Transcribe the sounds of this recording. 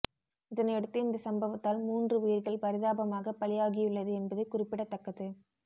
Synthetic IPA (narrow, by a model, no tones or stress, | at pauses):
ɪðɐnɐɛɽɯt̪ːɯɪnd̪ɐsɐmbɐʋɐt̪ːaːlmuːndrɯijɪɾɣɐɭpɐɾɪðaːbɐmaːɣɐpɐɭɪjaːɣɪjʊɭːɐðɯɛnbɐðɯkʊrɪpːɪɽɐt̪ːɐkːɐðɯ